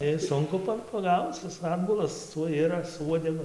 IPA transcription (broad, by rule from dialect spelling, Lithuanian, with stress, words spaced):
ˈɪs ˈsʊŋkʊ pɐ pɐˈɡɐʊt͡s ˈɪs ˈɑːdbʊlˠɐs ˈtuɔj ˈɪrɐs sʊ ˈuɔdʲɛɡʊ